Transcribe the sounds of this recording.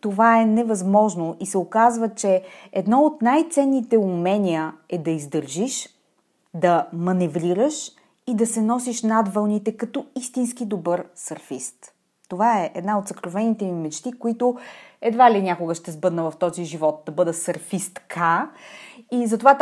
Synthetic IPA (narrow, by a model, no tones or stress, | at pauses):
t̪ovaɛnɛvɐzmɔʒnoisɛokazvət͡ʃɛɛd̪nɔot̪najt̪sɛnːit̪ɛumɛnʲiəɛd̪ɐizd̪əɾʒiʃ | d̪ɐmɐnɛvɾiɾəʃ | id̪ɐsɛnɔsiʃnad̪vəlˠnit̪ɛkɐt̪ɔist̪inskid̪obɤɾsɐɾfist̪ː | ovaɛʔɛd̪naot̪səkɾovɛnit̪ɛnimɛt͡ʃt̪ikoit̪oɛd̪valinʲakoɡəʃt̪ɛzbɤd̪nəvɐft̪ɔziʒivɔt̪̚d̪ɐbɤd̪əsɐɾfist̪kʰa | izɐt̪ovat̪